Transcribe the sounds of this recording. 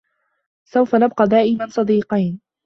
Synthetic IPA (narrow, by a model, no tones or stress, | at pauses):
sawfanab̚qɑːd̪aːʔɪmansˤɑd̪iːqɑjn